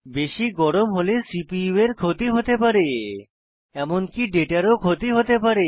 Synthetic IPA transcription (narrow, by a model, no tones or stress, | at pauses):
beʃiɡɔɽomɦolesipieɾkʰot̪iɦot̪epaɾe | ɛmonkiɖeʈaɾokʰot̪iɦot̪epaɾe